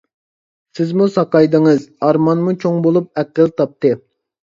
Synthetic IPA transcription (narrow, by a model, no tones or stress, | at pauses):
sɪzmusɑqɑjd̪ɨŋɨzɑɾmɑnmut͡ʃʰoŋbolˠup̚æqəlˠt̪ʰɑp̚t̪ɨ